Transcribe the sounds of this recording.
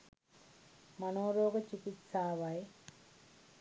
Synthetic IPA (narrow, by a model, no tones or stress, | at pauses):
mɐnoːɾoːɡɐt͡ʃikit̪saːʋaj